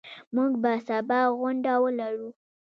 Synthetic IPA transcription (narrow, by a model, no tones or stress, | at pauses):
muɡbasabɑɣʊɳɖawəlaɾu